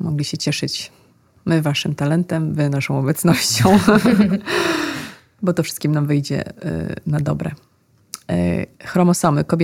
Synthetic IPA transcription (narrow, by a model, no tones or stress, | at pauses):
mɔɡlʲiɕɛt͡ɕɛʂɘt͡ɕ | mɘvaʂɘmt̪alɛnt̪ɛmvɘnaʂɔ̃w̃ɔbɛt̪snɔɕt͡ɕɔ̃w̃ | bɔt̪ɔfʂɘ̥st̪kʲimnamvɘjd͡ʑɛ̰nad̪ɔbɾɛ̰ | xɾɔmɔsɔmɘkɔbʲj